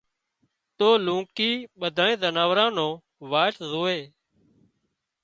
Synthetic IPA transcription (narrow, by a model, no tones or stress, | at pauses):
t̪oːlũːkiːɓəd̪ʱãːẽːzənaːʋɾãːnõː | ʋaːʈzoːeː